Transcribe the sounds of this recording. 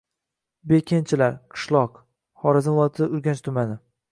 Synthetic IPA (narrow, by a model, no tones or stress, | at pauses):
be̞kʲʰent͡ʃʰɪlaɾqʰɨ̥ʃlˠɒq | hɒɾɪzɪnvɒt̪ʰɪʊɾɡʲant͡ʃt̪ʰʊmanɪ